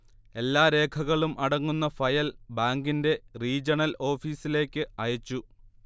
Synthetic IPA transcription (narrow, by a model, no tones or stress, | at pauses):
e̞lːaːɾe̞ːkʰɐɣɐɭumʔɐɽɐŋːunːɐfɐjɐlbaːŋɡinde̞riːd͡ʑɐɳɐlo̞ːfiːsile̞ːkʲːɨɐjɐt͡ɕːu